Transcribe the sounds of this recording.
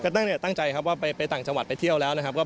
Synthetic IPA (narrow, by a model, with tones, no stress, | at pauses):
kɔ˧˩a˥˩ni˥˩t̪a˥˩ŋt͡ɕa˧jkʰa˦˥p̚waː˥˩pa˧jpa˧jt̪aː˨˩ŋt͡ɕa˧ŋwa˨˩t̪̚pa˧jt̪ʰi˥˩əwlɛː˦˥wna˦˥kʰa˥kɔː˥˩